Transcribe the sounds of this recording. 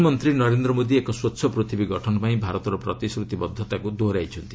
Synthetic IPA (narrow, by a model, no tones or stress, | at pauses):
mɔnt̪ɾinɔɾend̪ɾɔmod̪iekɔswɔt̪ːʃʰɔpɾot̪ʰibiɡɔʈʰɔnɔpaĩbʱaɾɔt̪ɔɾɔpɾɔt̪isɾut̪ibɔd̪ʱːɔt̪akud̪oɾajt͡ʃʰɔnt̪i